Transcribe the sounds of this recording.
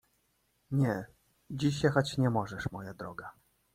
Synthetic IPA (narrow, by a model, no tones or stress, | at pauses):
ɲɛ | d͡ʑiɕjɛxat͡ɕɲɛmɔʐɛʂmɔjad̪ɾɔɡa